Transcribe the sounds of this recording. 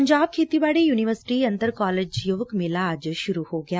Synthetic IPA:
ɐɲd͡ʒaːb̚kʰeːt̪ibaːɽejuːniʋəɾsɪ̥ʈiɐ̃nt̪əɾkaːleːd͡ʒjoːʋəkmɪlad͡ʒʃʊɾuhoɡɐjaː

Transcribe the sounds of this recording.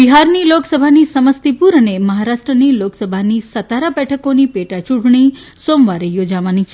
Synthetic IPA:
biɦaɾniloksəbʱanisəməst̪ipuɾəneməɦaɾaʃʈɾəniloksəbʱanisət̪aɾabɛʈʰəkonipeʈat͡ʃuʈɳ̃i | somʋaɾejod͡ʒaʋanit͡ʃʰ

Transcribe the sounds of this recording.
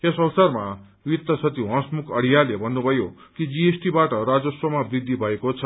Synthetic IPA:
esʌwsʌrma | wit̪ːʌsʌt̪iɦʌ̃smukʰʌɽ̤ijalebʱʌnːubʱʌjo | kid͡ziesʈibaʈʌrad͡zʌswʌmabrid̪ʱːibʱʌekot͡sʰʌ

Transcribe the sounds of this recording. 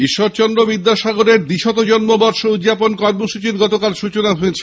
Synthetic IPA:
iʃːoɾt͡ɕɔnd̪ɾobid̪ːaʃaɡoɾeɾd̪iʃɔt̪od͡ʑɔnmobɔɾʃoud̪d͡ʑaponkɔɾmoʃut͡ɕiɾɡɔt̪okalʃut͡ɕonaɦoet͡ɕʰe

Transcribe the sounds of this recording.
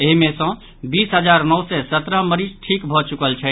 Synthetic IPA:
eɦimẽsə̃ | bisɦəd͡ʒaɾnəwsɛsət̪ɾəɦməɾisʈʰikbʱɔt͡ʃukəlt͡ʃʰɛ

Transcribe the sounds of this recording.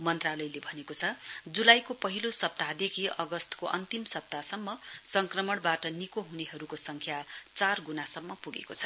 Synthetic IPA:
mʌnt̪ralʌjlebʱʌnekot͡sʰʌd͡zulajkopʌɦilosʌp̚t̪ad̪ekʰiʌɡʌst̪ʌ̥koʔʌ̰nt̪imsʌp̚t̪asʌmːʌsʌŋkrʌmʌɽ̃baʈʌnikoɦuneɦʌɾukosʌŋkʰjat͡sarɡunasʌmːʌpuɡḛkot͡sʰʌ̥

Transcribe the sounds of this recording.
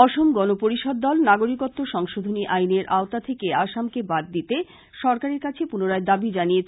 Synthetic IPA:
ɔʃomɡɔnopoɾiʃɔd̪̚ːɔlnaɡoɾikot̪ːoʃɔŋʃod̪ʱoniʔajneɾʔaot̪at̪ʰekeaʃamkebaɾd̪it̪e | ʃɔɾkaɾeɾkat͡ɕʰepunoɾaed̪abid͡ʑaniet͡ɕʰ

